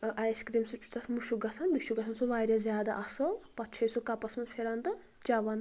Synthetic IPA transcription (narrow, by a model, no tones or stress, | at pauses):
ʔajskɾiːmsut͡ʃʰu̥t̪ɐsmuʃuɡɐsʰɐnmiʃuɡɐsʰɐnsuʋaːɾʲɐzjaːd̪a̰ʔɐsɐpɐt͡ʃʰɐjsukɐpɐsɐnpʰeɾant̪ɨ | t͡ʃɐʋɐn